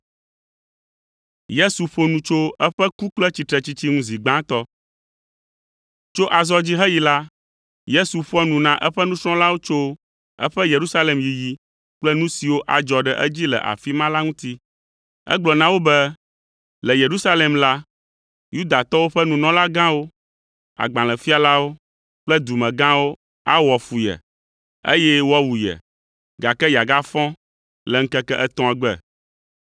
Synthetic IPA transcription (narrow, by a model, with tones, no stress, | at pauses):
je˦su˨ɸo˨nũ˨t͡ʃo˦ɛ˦ɸɛ˦ku˦k͡plɛ˦t͡ɕi˨t̪ɾɛ˨t͡ɕi˦t͡ɕi˦ŋũ˦zi˨ɡ͡bã˦t̪ɔ˦ | t͡ʃo˦ʔa˨zɔ˦d͡ʑi˦ɦɛ˦ji˨la˦ | je˦su˨ɸɔ˦nũ˨nã˨ʔɛ˦ɸɛ˦nũ˦sɾ̃ɔ̃˦la˦wo˦t͡ʃo˦ | ɛ̰˦ɸɛ˦je˨ɾu˦sa˦le˨mji˨ji˨ | k͡plɛ˦nũ˦si˨wo˦ʔa˨d͡ʒɔ˨ɖɛ˨ʔɛ̰˦d͡ʑi˦lɛ̰˨ʔa̰˨fi˦mã˦la˦ŋũ˦t̪i˦ | ɛ̰˦ɡ͡blɔ˨nã˦wo˦bɛ˦ | lɛ˨je˨ɾu˦sa˦le˨mla˦ | ju˦d̪a˨t̪ɔ˦wo˦ɸɛ˦nũ˨nɔ̃˦la˦ɡã˦wo˦ | a̰˨ɡ͡bã˨lɛ˨fi˦a˨la˦wo˦ | k͡plɛ˦d̪u˨mɛ̃˨ɡã˦wo˦ | a˦wɔ˨fu˨jɛ̰˨ | ḛ˦jɛ˦wɔ˦wu˨jɛ̰˨ | ɡa˨kɛ˦ja˨ɡa˦fɔ̃˦ | lɛ˨ŋ̩˦kɛ˦kɛ˦ʔɛ˦t̪ɔ̃˦a˨ɡ͡bɛ˨